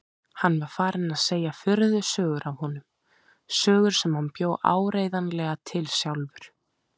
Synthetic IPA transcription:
hanːvaɾ̥faːɾɪnaðseːjafʏɾðʏsœːɣʏɾavhɔnʏm | sœːɣʏɾ̥sɛmhanpjoːwʔa̰ːwɾeːjðanlɛɣat̪ʰɪlsjawlvʏɾ̥

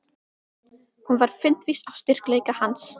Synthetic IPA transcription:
hunvaɾ̥fɪn̥t̪visaw̥st̪ɪr̥kleːjkahans

